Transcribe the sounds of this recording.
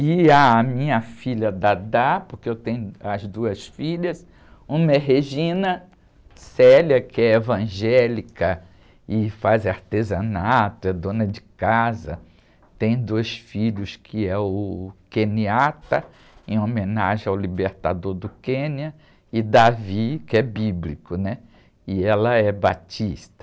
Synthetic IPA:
ɪamĩɲɐfiʎɐd̪ad̪apoɾkeewt̪ẽɲʊɐzd̪uɐsfiʎɐs | ũmɐɛɦeʒĩnɐ | sɛlɐkɪɛevɐ̃ʒɛlikɐ | ɪfazaɾt̪ezɐ̃nat̪ʊɛd̪õnɐd͡ʒɪkazɐ̰ | t̪ẽj̃d̪ojsfiʎʊskʰɪɛʊkẽniat̪ɐ | ẽomẽnaʒẽawlibeɾt̪a̰d̪oɾd̪ʊkẽniɐ | ɪd̪avikɪɛbiblikʊnɛ | ɪɛlɐɛbat͡ʃist̪ɐ

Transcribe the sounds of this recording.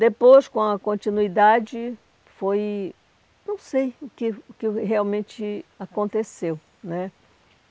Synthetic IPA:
d̪epojskõɐkõnt͡ʃinuid̪ad͡ʒɪ | foj | nɐ̃w̃sejʊkɪʊkɪɦeawmẽt͡ʃɪakõnt̪esew | nɛ

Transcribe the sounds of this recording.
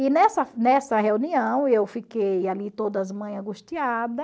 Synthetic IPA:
inɛsɐnɛsɐɦeuniɐ̃w̃ewfikejalit̪od̪ɐzmɐ̃j̃ɐ̃ɡuʃt̪iad̪ɐ

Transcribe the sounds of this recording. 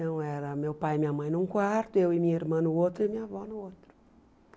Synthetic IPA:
t̪ɐ̃w̃ɛɾɐmewpajmĩɲɐmɐ̃j̃nũkwaɾt̪ʊewɪmĩɲɐiɾmɐ̃nʊot̪ɾʊimĩɲɐvɔnʊot̪ɾʊ̥

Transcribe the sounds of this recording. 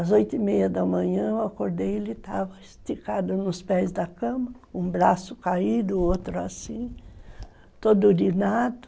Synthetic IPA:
ɐzojt̪ʊimejɐd̪ɐmɐ̃ɲɐ̃ewakoɾd̪ejelɪt̪avɐst̪ikad̪ʊnʊspɛzd̪ɐkɐ̃mɐ | ũbɾasʊkaid̪ʊot̪ɾʊasĩ | t̪od̪ʊlinad̪ʊ

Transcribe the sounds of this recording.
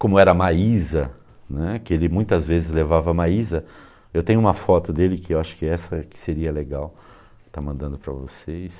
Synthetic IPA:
kõmʊɛɾɐmaizɐ | nɛkɪelɪmũj̃t̪ɐzvezɪzlevavɐmaizɐ | ewt̪ẽɲ̃ʊũmɐfɔt̪ʊd̪elɪkɪewaʃʊ̥kɪɛsɐkɪ̥seɾiɐleɡaw | t̪amɐ̃nd̪ɐ̃nd̪ʊpɾɐvosejs

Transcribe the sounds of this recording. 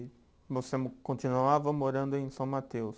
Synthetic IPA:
vosemkõt͡ʃ̪inuavɐmoɾɐ̃nd̪ʊẽj̃sɐ̃w̃mat̪ews

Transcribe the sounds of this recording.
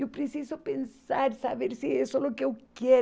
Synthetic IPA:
ewpɾesizopẽnsaɾsaβeɾsiesolokeewkje

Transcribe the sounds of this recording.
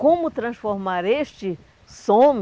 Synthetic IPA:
kõmʊt̪ɾɐ̃sfoɾmaɾest͡ʃɪ | sõm

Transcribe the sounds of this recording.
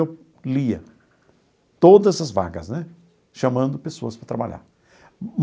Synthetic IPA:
ew | liɐ | t̪od̪ɐzɐzva̰ɡɐznɛ | ʃɐmɐ̃nd̪ʊpesoɐspɾɐt̪ɾabaʎa̰ɾ | m

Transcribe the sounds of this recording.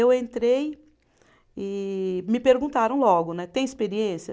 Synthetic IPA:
ewẽnt̪ɾej | ɪmɪpeɾɡũnt̪aɾɐ̃w̃lɔɡʊnɛt̪ẽj̃ɪspeɾiẽsɐ

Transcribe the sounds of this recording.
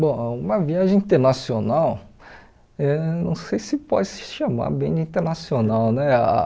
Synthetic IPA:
bõw̃ũmɐviaʒẽĩnt̪eɾnasionaw | ɛnɐ̃w̃sejsɪpɔ̰d͡ʒɪsɪ̥ʃama̰ɾbẽd͡ʒɪĩt̪eɾnasionawnɛa̰

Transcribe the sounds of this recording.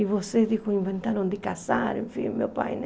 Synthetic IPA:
iβosed̪ikuiɱvent̪aɾõnd̪ikasaɾḛ̃ɱfḭ̃mḛwpa̰jn

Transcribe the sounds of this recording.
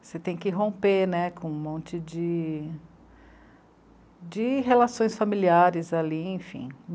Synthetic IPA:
set̪ẽj̃kɪɦõpeɾnɛkõũmõnt͡ʃɪd͡ʒɪ | d͡ʒɪɦelasõj̃sfamiliaɾɪzaliẽj̃fḭ̃

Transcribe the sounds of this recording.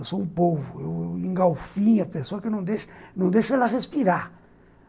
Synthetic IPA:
wsoũpovʊeweẽŋɡawfĩɲɐpesoɐkɪnɐ̃w̃d̪eʃnɐ̃w̃d̪ejʃɐɛlɐʁespiɾaɾ

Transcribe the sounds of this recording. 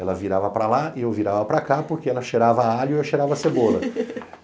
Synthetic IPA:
ɛlɐviɾavɐpɾalaɪewviɾavɐpɾakapoɾkeɛlɐʃeɾavɐaʎʊɛʃeɾavɐsebolɐ

